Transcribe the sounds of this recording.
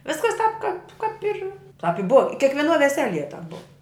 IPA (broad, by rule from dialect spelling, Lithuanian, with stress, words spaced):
ˈʋʲɪskɐs tɑːp kɐp kɐp ɪr tɐp ɪ bʊw ɪ kʲiɛkʋʲiɛˈnuɔ ʋʲɛˈsʲæːlʲiɛ tɐp bʊw